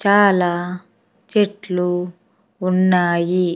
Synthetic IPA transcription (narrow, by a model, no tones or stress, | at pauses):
t͡ʃaːlaː | t͡ʃeʈluː | nːaːji